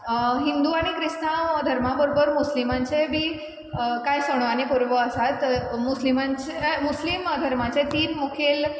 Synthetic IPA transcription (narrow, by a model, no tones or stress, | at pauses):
ɦind̪uaɽ̃ikɾist̪aəd̪ʱəɾmabəɾobəɾmuslimãɲt͡sebʱiː | kajsəɽ̃oañipuɾʋəəsat̪muslimãɲt͡ɕemusliməd̪ʱəɾmat͡set̪iːnmukʰel